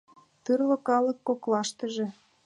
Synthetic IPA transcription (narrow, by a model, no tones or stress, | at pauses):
t̪ɯrlŏkɑlə̆kːoklɑʃt̪ə̆ʒĕ